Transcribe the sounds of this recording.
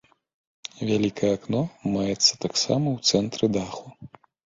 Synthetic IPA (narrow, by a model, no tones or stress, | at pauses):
vʲalʲikɐjɛaknɔmajɛt̪sːɐ̥t̪aksa̰mɐwt̪sɛnt̪ɾɨd̪axu